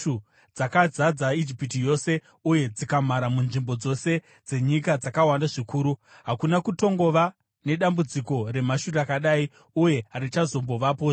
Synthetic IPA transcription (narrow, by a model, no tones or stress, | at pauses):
u | d͡zakad͡zad͡zaid͡ʒipitijo̞se̞ | uje̞d͡zikamaɾamunʐimbo̞d͡zo̞se̞ | d͡ze̞ɲikad͡zakawandaʐikuːɾuɦakunakuto̞ŋɡo̞ʋa | ne̞ɗambud͡ziko̞re̞maʃurakaɗaːi | uje̞ɦaɾit͡ʃazo̞mbo̞ʋapoː